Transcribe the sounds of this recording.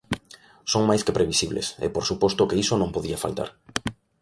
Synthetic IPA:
soŋmajskepɾeβisiβlḛsḛpoɾsupɔst̪okeisonõmpoðiafa̰lt̪a̰ɾ

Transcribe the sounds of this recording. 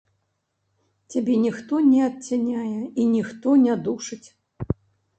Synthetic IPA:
t͡sʲabʲɛnʲixt̪ɔnʲɛɐt̪̚t͡sʲanʲajɛinʲixt̪ɔnʲad̪uʂɨt͡sʲ

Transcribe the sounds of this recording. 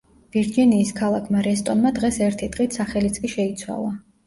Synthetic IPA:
v̥iɾd͡ʒiniːskʰalˠakʰmaɾɛst̪ʼɔnmad̪ʁɛsɛɾt̪ʰid̪̥ʼʁʼit̪ʰsaχɛlit̪sʼkʼiʃɛit̪sʰwa̰lˠa

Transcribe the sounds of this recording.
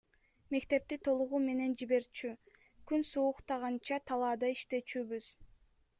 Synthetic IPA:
me̞kt̪e̞p̚t̪it̪ʰo̞lˠuʁuːme̞ne̞nd͡ʒiβe̞ɾt͡ʃy | kynsuːqt̪ɑʁɑnt͡ʃɑt̪ʰɑlˠɑːd̪ɑiʃt̪e̞t͡ʃyːβyz̥

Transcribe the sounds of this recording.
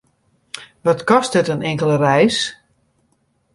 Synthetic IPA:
ʋɔtkɔst̚dɪtənɪŋkəlˠərɛjs

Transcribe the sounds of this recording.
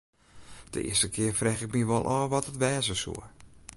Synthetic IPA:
d̥ə̰ʔɪ̰əstəkʰɪərfrɛxɪk̚miʋɔlˠʔɔːʋɔtətʋɛːzəsṵə

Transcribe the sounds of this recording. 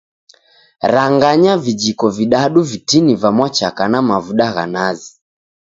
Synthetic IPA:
ɾaŋɡaɲavid͡ʒikɔviɗaɗuvitinivamwat͡ʃakanamavuɗaɣa̰nazi

